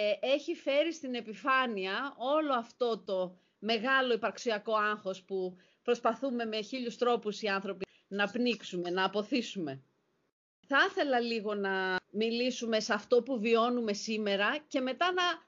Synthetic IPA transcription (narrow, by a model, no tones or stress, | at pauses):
e̞çife̞ɾist̪ine̞pifɐniɐo̞lo̞ɐft̪o̞t̪o̞ | me̞ɣɐlo̞ipɐɾksiɐko̞ɐŋxo̞spu | pɾo̞spɐθume̞me̞çiʎust̪ɾo̞pusiɐnθɾo̞pi | nɐpniksume̞nɐːpo̞θisume̞ | θɐθe̞lɐliɣo̞nɐmilisume̞sɐft̪o̞puvio̞nume̞sime̞ɾɐce̞me̞t̪ɐnɐ